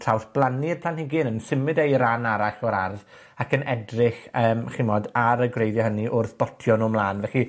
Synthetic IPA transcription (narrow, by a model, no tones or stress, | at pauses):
tʰɬʰawθb̥lˠanirpʰl̥ˠanhɪɡɨnənsɪmɨdejɾanaɾaɬɔɾarð | akʰənɛdrɪɬəːmχimɔdaɾəɡrejðjɔɦəniʔʊrθb̥ɔtʰjɔnɔːmlˠaːnvɛɬi